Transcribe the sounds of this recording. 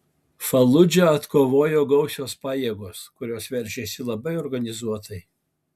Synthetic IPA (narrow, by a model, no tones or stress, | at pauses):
fɐlˠʊd͡ʒʲɛɐt̪koːʋoːjoːɡɒʊsʲoːspɑːjeːɡoːskʊɾʲoːsʋʲɛɾʲʒʲeːsʲɪlˠɐbɐɪoːɾɡɐnʲɪzuɔt̪ɐɪ